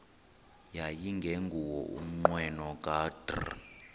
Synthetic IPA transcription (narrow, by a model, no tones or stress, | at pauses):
jajiŋɡʱeŋɡʱuwɔ̰ʔṵm̩ŋ͡ǃwɛnɔkʼaːdr̰